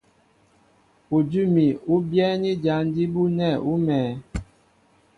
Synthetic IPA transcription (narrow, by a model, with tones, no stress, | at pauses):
u˨d͡ʒu˦mi˨u˦bjɛ˦ni˦d͡ʒa˨˦n˦di˦bu˦nɛ˦˨u˦mɛː˨